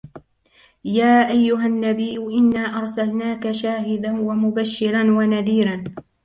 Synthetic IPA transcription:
jaːʔajːʊɦanːabijʊʔɪnːaːʔɑɾˤsalnaːkaʃaːɦɪd̪anwamʊbaʃːɪɾanwanaðiːɾan

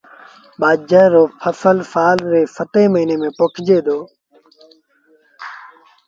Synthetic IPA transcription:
ɓaːd͡ʒəːɾoːpʰəsəlsaːlɾeːsəʈeːməɦiːneːmẽːpʊkʰd͡ʒeːd̪oː

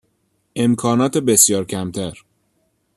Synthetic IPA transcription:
ʔe̞mkʰɒːnɒːt̪ʰebesjɒːɾcʰæmt̪ʰæɾ

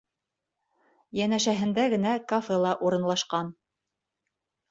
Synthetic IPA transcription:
jænæʃæɦɘ̆nd̪æɡɘ̆nækofelˠɑʔuɾɤ̆nlˠɑʃqɑn

